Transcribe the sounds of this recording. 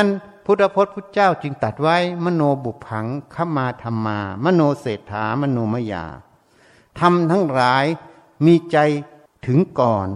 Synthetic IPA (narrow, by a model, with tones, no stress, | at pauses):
a˥˨n | pʰu˧˩t̪̚ːa˧pʰoː˧˩t̪̚pʰu˧˥˩t͡ɕaː˥˩˨wt͡ɕɯ˧ŋt̪a˨˩t̪̚wa˥˩˨jmaː˧˥˨noː˧bu˨˩pʰa˨˧˦ŋkʰa˧˥˨mːaː˧t̪ʰa˧mːaː˧maː˧˥˨noː˧seː˨˩t̪ʰːaː˨˦ma˧˥˨noː˧ma˧ja̰ː˧˩ | t̪ʰa˧mt̪ʰa˧˥ŋlaː˨˦j | miː˧t͡ɕa˧j | t̪ʰɯ˨˦ŋkɔː˨˩n